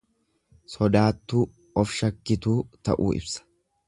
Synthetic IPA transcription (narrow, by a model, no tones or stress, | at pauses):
sɔd̪aːt̪ːuː | ɔfʃɐkːɪt̪uːt̪ɐ̰ʔṵːɪ̰bsɐ̥